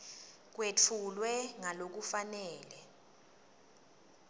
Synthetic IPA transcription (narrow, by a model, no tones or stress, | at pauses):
k̬wet͡fʰulwɛŋalok̬ufanɛːlɛ